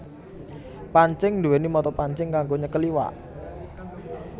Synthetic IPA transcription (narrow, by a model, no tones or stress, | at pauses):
paɲt͡ʃɪŋd̪uwenimɔt̪ɔpaɲt͡ʃɪŋkaŋɡoɲəkəliwa̰